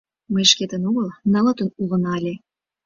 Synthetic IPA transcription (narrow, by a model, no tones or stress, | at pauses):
məjʃket̪ənoɣəlnə̆lə̆t̪ə̆nulə̆nɑlʲe